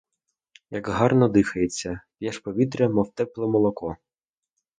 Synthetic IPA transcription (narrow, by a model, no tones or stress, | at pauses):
jɐɡɦɑrnɔd̪ɪxɐjet͡sʲːɐpjɛʃpɔʋʲit̪ɾʲɛmɔwt̪ɛplˠɛmɔlˠɔkɔ